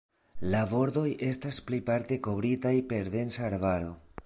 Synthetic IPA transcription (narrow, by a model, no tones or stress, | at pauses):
labo̞ɾd̪o̞jʔe̞stasplipaɾte̞ko̞βɾitajpe̞ɾde̞nsaːɾvaɾo̞